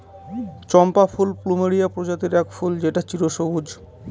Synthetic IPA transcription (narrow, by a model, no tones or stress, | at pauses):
t͡ɕɔmpafʰulplumeɾijapɾod͡ʑat̪eɾɛkfuld͡ʑeʈat͡ɕiɾoʃobud͡ʑ